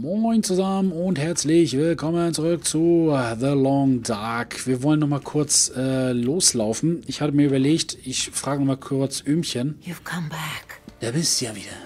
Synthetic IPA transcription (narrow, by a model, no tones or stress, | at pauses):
mɔɪŋt͡suzamənʊnthɛɐt͡slɪçv̥ɪlkʰɔmənt͡suʁʏk̚t͡suðəlɔŋdaɐkv̥iːɐvɔlənːɔχmaːlkʰʊɐt͡sɛːloːslaʊfn̩ɪçhaːbəmiːɐʔybɐleːçtʰɪçfʁ̥aːɡənɔχmaːlkʰʊɐt͡sʔyːmçənjuv̥kʰʌ̃mbækd̥abɪstujaːviːdɐ